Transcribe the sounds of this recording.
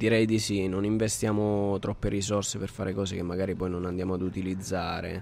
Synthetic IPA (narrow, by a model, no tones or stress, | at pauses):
d̪̥iɾɛjd̪isinoniɱvest̪jaːmot̪ɾʔɔpːeɾisɔrseperfaːɾekɔːsek̟emːaɡaːɾipɔjnonand̪jaːmoad̪ut̪ilid̪zːaːɾḛ